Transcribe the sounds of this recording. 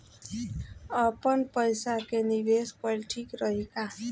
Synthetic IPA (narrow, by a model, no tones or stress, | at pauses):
əpənpəjsakeniʋespəɾʈʰikɾəɦika